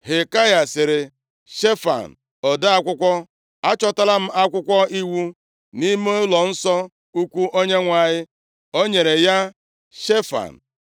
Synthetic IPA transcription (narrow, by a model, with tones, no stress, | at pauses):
ɦe˨ka˦ja˨sɪ˨ɾɪ˨ | ʃe˦fa̰˨n̩˨ | ɔ˨da˦a˦kʷʊ˦kʷɔ˦ | a˦t͡ʃɔ˦ta˦la˦m̩˦a˦kʷʊ˦kʷɔ˦i˦wu˦ | ni˦mo˦lɔ˨n̩˦sɔ˦ | u˦kʷu˦ʔo˦ɲe˦ŋʷa˨ɲɪ˦ | o˦ɲe˨ɾe˨ja˦ | ʃe˦fa̰˨n̩˨